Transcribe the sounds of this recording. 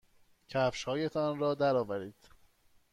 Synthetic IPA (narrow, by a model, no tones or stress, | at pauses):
cʰæfʃhɒːjet̪ʰɒnɾɒːd̪æɾɒːvæɾiːd̪̥